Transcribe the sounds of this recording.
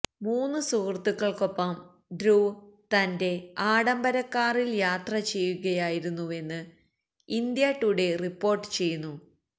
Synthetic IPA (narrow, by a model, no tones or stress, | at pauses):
muːnːɨsuːrt̪ːukːɐɭko̞pːɐm | ɖɾuːt̪ɐnde̞aːɽɐmbɐɾɐkːaːriljaːt̪rɐt͡ɕe̞jːuɣɐjaːjiɾunːue̞nːɨ | ind̪jaːʈːuɽe̞ripːo̞ːrʈːɨ̥t͡ɕe̞jːunːu